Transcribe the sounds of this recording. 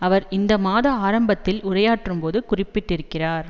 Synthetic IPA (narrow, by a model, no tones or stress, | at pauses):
ɐʋɐɾɪnd̪ɐmaːðɐaːɾɐmbɐt̪ːɪlʊrɐjaːʈrɯmpoːðɯkʊrɪpːɪʈːɪɾɯkːɪraːɾ